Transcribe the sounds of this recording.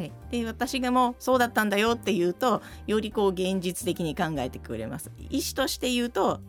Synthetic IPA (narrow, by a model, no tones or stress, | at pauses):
haid̪̥e̞β̞at̪aɕiɡamo̞ːso̞ːd̪at̪ːãnd̪ajo̞t̪ːe̞jɯ̟ːt̪o̞ | jo̞ɾʲiko̞ːɡẽ̞ɲd͡ʑit͡sɨ̥t̪e̞kʲiɲ̟ikãŋɡae̞t̪e̞̥kɯ̟̰ɾe̞̰ma̰sɨ̥iɕi̥t̪o̞ɕi̥t̪e̞jɯ̟ːt̪o̞